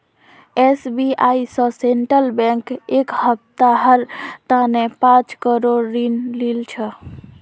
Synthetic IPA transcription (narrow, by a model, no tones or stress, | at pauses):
esbiaisə̃seɳʈɾəlbɛ̃ŋkekhəp̚t̪aɦəɾt̪anepãt͡ʃkəɾoɾːinlilt͡ʃʰə